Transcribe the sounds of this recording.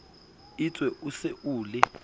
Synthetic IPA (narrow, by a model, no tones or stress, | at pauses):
it͡sʼwɛʔuseʔuːlɛ